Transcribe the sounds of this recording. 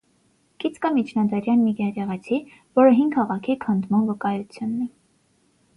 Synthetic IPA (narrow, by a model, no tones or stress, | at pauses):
kit͡skəmit͡ʃʰnɑd̪ɑɾjɑnmiɡɑɾɛʁɑt͡sʰi | vɔɾəɦiŋɡʰɑʁɑkʰikʰənd̪mɑnvəkɑjut͡sʰjunːɛ